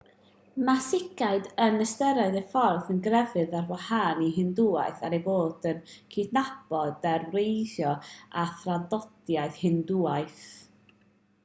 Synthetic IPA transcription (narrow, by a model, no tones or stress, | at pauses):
masɪɡaɨdənəstəɾaɨðəfɔrðənɡrɛvɨðarwahanihɪndua̰jθaɾejboːd̥ənkʰidnab̥ɔdarwejθjɔaθrandɔd̥jaɨðhɨnduaɨθ